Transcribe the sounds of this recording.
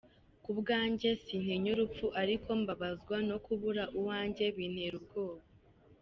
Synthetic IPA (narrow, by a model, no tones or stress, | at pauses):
kubɡaːɲɟe̞sin̥heɲuɾup͡fuʔaɾikʰo̞mbaβazɡwano̞kuβuɾaʔuwaːɲɟe̞βiːn̥he̞ɾub̚ɡo̞ːβo